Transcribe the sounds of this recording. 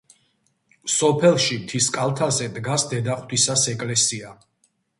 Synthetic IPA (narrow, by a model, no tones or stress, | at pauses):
sɔpʰɛlˠʃimt̪ʰiskʼalˠt̪ʰazɛd̪ɡasd̪ɛd̪aχt̪ʰisasɛkʼlɛsia